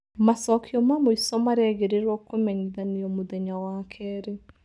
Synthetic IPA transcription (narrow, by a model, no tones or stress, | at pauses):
masɔkʰiɔmamoisɔmaɾeɛɣeɾeɾɔkomɛɲiðaniɔmoðɛɲawakʰɛɾe